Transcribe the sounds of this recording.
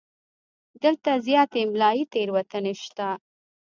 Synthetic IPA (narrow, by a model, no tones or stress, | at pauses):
d̪əlt̪azjɑt̪emlɑjit̪eɾwat̪əneʃt̪a